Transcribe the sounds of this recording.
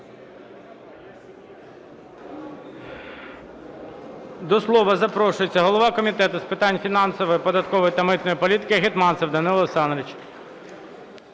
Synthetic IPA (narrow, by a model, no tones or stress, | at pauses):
d̪ɔslˠɔʋɐzɐpɾɔʃʊjet͡sʲːɐɦɔlˠɔʋɑkɔmʲit̪ɛt̪ʊspɪt̪ɑnʲfʲinɑnsɔʋɔjipɔd̪ɐt̪kɔʋɔjit̪ɐmɪt̪nɔjipɔlʲit̪ɪ̥kɪɦɪt̪mɑnsɛwd̪ɐnɪlˠsɑnɾɪt͡ʃ